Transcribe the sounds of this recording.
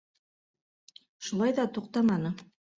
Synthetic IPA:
ʃulˠɑjðɑt̪uqt̪ɑmɑnɤ

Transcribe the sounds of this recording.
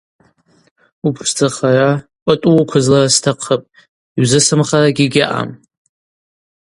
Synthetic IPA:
upʰʂd͡zaχara | ʔʷʼatʼuwkʷʰʊzlaɾastʰaqʰəpʼ | iɥzɨsɨmχaɾaɡʲiɡʲaʔa̰m

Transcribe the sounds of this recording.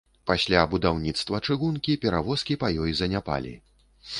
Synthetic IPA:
pasʲlʲabud̪awnʲit̪st̪vɐt͡ʂɨɣunkʲipʲɛɾavɔskʲipajɔjzɐnʲapa̰lʲḭ

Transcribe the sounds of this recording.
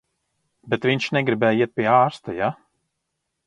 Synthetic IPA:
bɛt̪viɲʲʃnɛɡɾibɛjiɛt̪̚pʲiɛaːɾst̪aja

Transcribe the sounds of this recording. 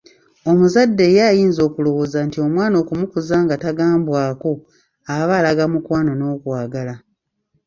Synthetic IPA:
o̞muzadːe̞ːjajiːnzo̞ːkulo̞wo̞ːzantio̞mwaːno̞ːkumukuzaːŋɡataɡaːmbwaːko̞ | aβaːlaɡamukwaːno̞no̞ːkwaːɡala

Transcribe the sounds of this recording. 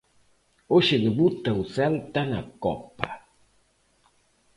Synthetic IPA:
oʃɪðeβut̪auθɛlt̪ana̰kɔ̰pa

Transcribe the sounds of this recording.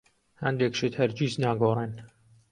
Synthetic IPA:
hɐ̰nd̪ekʃet̪hæɾd͡ʒiːznaːɡoːrˤen

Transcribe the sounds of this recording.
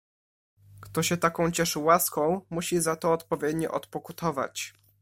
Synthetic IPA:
kt̪ɔɕɛt̪akɔ̃w̃t͡ɕɛʂɘwaskɔ̃w̃muɕizat̪ɔːt̪pɔvʲjɛd̪ɲɔ̰ʔɔt̪pɔkut̪ʰɔva̰t͡ɕ

